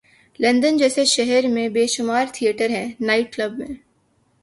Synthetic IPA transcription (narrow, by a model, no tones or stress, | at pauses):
lɐ̃nd̪ənd͡ʒɛːseʃɛɦɛɾmẽbeːʃʊmaːɾt̪ʰijəʈəɾɦɛ̃ːnaːɪʈ̚kləbmḛ̃